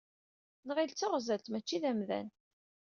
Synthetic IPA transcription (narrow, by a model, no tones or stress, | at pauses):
nəʁilt͡sːəʁzæðt̪mæt͡ʃːiðæmðæ̰n